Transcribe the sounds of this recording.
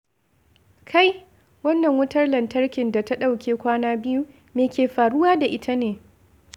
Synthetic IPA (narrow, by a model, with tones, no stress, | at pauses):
kʰa˦j | wɐ˦nːɐ˨ŋwʊ˦tɐ˦rlɐ˨ntɐ˦rkʲɪ˨nda˨ta˦ɗa˦˨wkʲeː˨kʷaː˦naː˦bɪ˦ju˦ | meː˨kʲeː˨ɸaː˨ɽʊ˦waː˦da˨ʔɪ˦tʰa˦neː˨